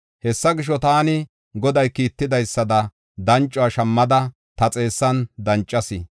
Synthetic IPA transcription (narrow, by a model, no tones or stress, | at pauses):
hɛsːɐɡɪʃ̬ːɔt̪aːnɪ | ɡɔd̪ɐjkiːt̪ːɪd̪ɐjsːɐd̪ɐ | d̪ɐnt͡ʃʼːʊaʃɐmːɐd̪ɐ | t̪ɐt͡sʼe̞ːsːɐnd̪ɐnt͡ʃʼːɐsɪ